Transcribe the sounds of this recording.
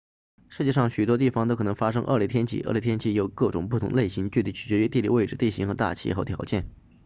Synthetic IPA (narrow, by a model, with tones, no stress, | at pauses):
ʂɻ̩˥˧t͡ɕjɛ˥˧ʂɑ˥˩ŋɕy˨˩t̪wɔ˥t̪i˥˩fɑ˨ŋt̪o˥ʊkʰɤ˨˩ɤ˧˥ŋ˧fa˥ʂ̬ɤ˥ŋʔə̰˥˩lt̪ʰjɛ˥nt͡ɕʰḭ˥˩ʔle˧˥t̪ʰjɛ˥nt͡ɕʰi˥˩jo˨˩ʊkɤ˥˩ʈ͡ʂʊ˨˩ŋpu˥˩t̪ʰʊ̰˧˥ŋle˥˩ɪɕi˧˥ŋt͡ɕy˥˧li˥˩t͡ɕʰy˨˩t͡ɕɥɛ˧˥ɥɛ˥t̪i˥˧li˥˧we˥˩ɪʈ͡ʂɻ̩˥˩t̪e˥˩ɕḭ˧˥ŋxɤ˧˥t̪a̰˥˩t͡ɕʰḭ˧˥xo˧˥˩t̪ʰjɑ̰˧˥ʊt͡ɕjɛ˥˩n